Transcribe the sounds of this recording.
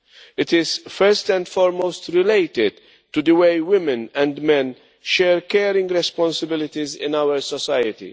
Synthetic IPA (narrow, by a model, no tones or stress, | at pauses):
ɪt̪ɪz̥fɛɾstɛ̃nd̪fɔːɾmowst̪ɾɪlejt̪ɪd̪ | tːud̪əwejwɪmɪ̃nɛ̃nd̪mɛ̃n | ʃɛːɾkɛːɾɪ̃ŋɡɾɛspɔ̃nsɪbɪlɪt̪izɪ̰̃nawəɾsɔsajət̪ḭ